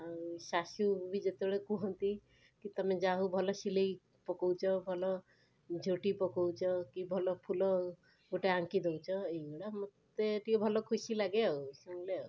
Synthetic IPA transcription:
sasubʱid͡ʒet̪ebɛɭekũɦɔnt̪i | kit̪ɔmed͡ʒaɦubʱɔlɔsilej | pɔkowt͡ʃʰɔbʱɔlɔ | d͡ʒʱoʈipɔkɔwt͡ʃʰɔkibʱɔlɔpʰulɔ | ɡoʈeaŋkid̪ewt͡ʃʰɔejɡɔɽamot̪eʈiɔbʱɔlɔkʰusilaɡeausɔŋlea

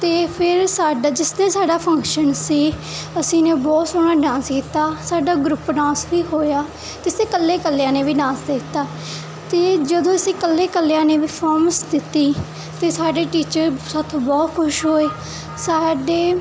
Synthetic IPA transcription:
t̪eːpʰɪɾsaːɖad͡ʒɪsnẽːsaːɖaːpʰə̃ŋkʃənsiːəsĩːnẽːbɔːt̪soːɽ̃aːɖãːskiːt̪aːsaːɖaːɡɾʊpːɖãːsʋiːɦoːjaː | t̪ɪseːkəlːeːkəlːjãːneːʋiːɖãːsd̪et̪ːaː | t̪eːd͡ʒəd̪õːəsĩːkəlːeːkəlːjãːneːʋiːpʰɔːməsd̪ɪt̪ːiː | t̪eːsaːɖeːʈiːt͡ʃəɾsət̪ʰbɔːt̪kʰʊʃɦoːeː | saːɖeː

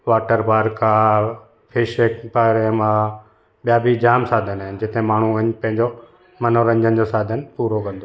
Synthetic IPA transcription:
ʋaːʈəɾbaːɾkʰãː | pʰɪʃeːkpaɾemã | ɓijaːbʱid͡ʑaːmsaːd̪ʱənaːɦɪnd͡ʑɪt̪ẽmaːɳ̤ũɐɲpɐ̃ɦɪ̃ɲd͡ʑo | mɐnoɾə̃ɲd͡ʑənd͡ʑosaːd̪ʱənpuːɾokɐ̃nd̪o

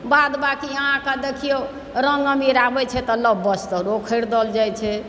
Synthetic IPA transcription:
bad̪bakiəɦãkad̪ekʰijo | ɾəŋɡəmiɾabɛt͡ʃʰɛt̪ɔləbːəst̪ɔɾokʰəɾd̪ɔld͡ʒajt͡ʃʰɛ

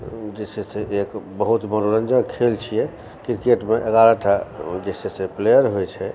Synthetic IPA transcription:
d͡ʒesɛseʔekbəɦut̪məɾoɾənd͡ʒəkʰelt͡ʃʰijɛ | kɾikeʈmeʔeɡaɾaʈʰad͡ʒeseseplejəɾɦojt͡ʃʰɛ

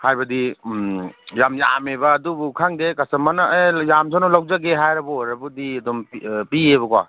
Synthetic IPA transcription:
hajbɐdi | jamja̰mebɐːdubukʰaŋdekasɐmanaejamsʰanolawd͡ʒaɡeɦajɾɐbuojɾɐbudiɐdɔmpiebɐkwa̰

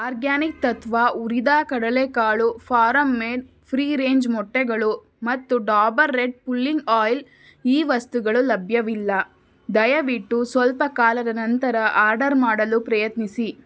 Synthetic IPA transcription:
aːɾɡaːnik̚t̪ɐt̪ʋaʔuɾid̪aːkɐɽɐlekaːɭupʰaːɾɐmːeːɖ | pʰɾiːɾeːɲd͡ʒmɔʈːɛɡɐɭu | mɐt̪ːuɖaːbɐɾːeɖ̚pulːiŋɡaːjl | iːʋɐst̪uɡɐɭulɐbʱjɐʋilːɐ | d̪ɐjɐʋiʈːusʋɐlpɐkaːlɐd̪ɐnɐnt̪ɐɾɐʔaːɾɖɐɾmaːɽɐlupɾɐjɐt̪nisi

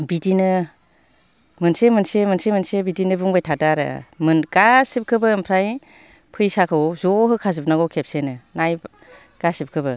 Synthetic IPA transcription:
bidinɯ | mɯnsemɯnsemɯnsemɯnsebidinɯbuŋbajtʰadaɾɯ̰mɯnɡasip̚kʰɯbɯɯmpʰɾaj | pʰɯjsakʰɯwzɔɦɯkʰazɯp̚naɡɔwkʰep̚senɯnaj | ɡ̥asip̚kʰɯbɯ

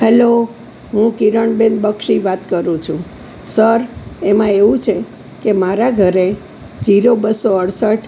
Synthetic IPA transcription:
ɦɛlo | ɦũkiɾəɳbẽnd̪bəkʃiʋat̪kəɾũt͡ʃʰũ | səɾemãeʋũt͡ʃʰe | kemaɾaɡʱəɾe | d͡ʒiɾobəsoəɽsəʈʰ

